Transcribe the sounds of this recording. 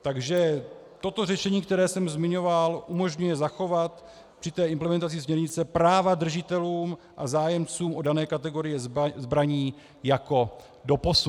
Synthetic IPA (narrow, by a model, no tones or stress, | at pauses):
t̪aɡʒɛ | t̪o̞t̪o̞rɛʃɛɲiːk̚t̪ɛɾɛːsɛmzmɪɲo̞valʔumo̞ʒɲujɛzaxo̞vat̪ | pr̝̥ɪt̪ɛːɪmplɛmɛnt̪at͡sɪsmɲɛɾɲɪt͡sɛpɾaːvad̪r̩ʒɪt̪ɛluːm | ʔa̰zaːjɛmt͡suːmʔo̞danɛːkat̪ɛɡo̞ɾɪjɛzbɾaɲiː | jako̞ | do̞po̞su